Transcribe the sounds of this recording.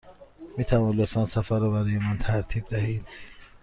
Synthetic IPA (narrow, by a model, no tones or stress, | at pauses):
miːt̪ʰævɒːnlot̪ʰfɑːnsæfæɾːɔbæɾɒːjemænt̪ʰæɾt̪ʰiːb̚d̪æɦiːd̪̥